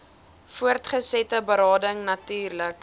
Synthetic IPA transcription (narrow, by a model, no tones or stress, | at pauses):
fuərtχəsɛtəbəɾɑːdəŋnɐtyːrlək